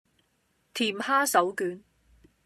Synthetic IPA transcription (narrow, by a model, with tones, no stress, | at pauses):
t̪ʰiː˨˩mhaː˥sɐ˨˥wkyː˨˥n